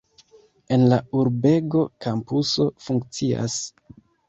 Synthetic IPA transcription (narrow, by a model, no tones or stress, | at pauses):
e̞nlauɾbe̞ɡo̞kampuso̞fuŋkt͡sia̰s